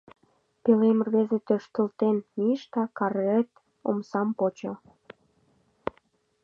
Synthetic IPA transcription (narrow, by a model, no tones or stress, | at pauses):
pelemərβezet̪øʃt̪ə̆lt̪enmiʃt̪ɑkɑret̪ | o̰msɑmpot͡ɕo̰